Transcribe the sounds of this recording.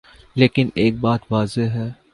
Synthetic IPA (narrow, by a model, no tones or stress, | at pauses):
leːkɪneːk̚baːt̪ʋaːzeɦɛː